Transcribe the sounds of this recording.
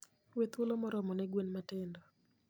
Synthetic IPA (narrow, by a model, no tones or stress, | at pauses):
wet̪wolomɔɾɔmɔnɛɡwenmatɛndɔ